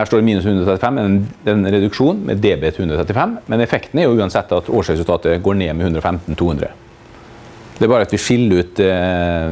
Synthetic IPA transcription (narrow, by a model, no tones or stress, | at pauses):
hæːʂʈoːɖmiːnʉshʉnd̪ɾɔt̪ʰɾɛt̪ɪfɛmːɛɛnɾɛd̪ʉkʂuːnmɛ̰d̪eːbeːt̪hʉnd̪ɾɔt̪ʰɛt̪ɪfɛmːmɛnɛfɛkt̪nəæɾjʊʉːɑnsɛt̪ːɑt̪oːʂɾɛsʉlt̪ɑːt̪əɡoːɳeːmɛhʉnd̪ɾɔfɛmt̪n̩t̪ʰuːʉnd̪ɾə̰ | d̪ɛæɾbɑːɾəɑt̪ʋɪʂɪlːəɾʉːt̪